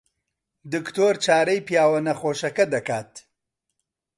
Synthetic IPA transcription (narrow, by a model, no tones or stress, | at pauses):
d̪ɨkt̪oːɾt͡ʃaːɾɐjpjaːwɐnɐxoːʃɐkɐd̪ɐkaːt̪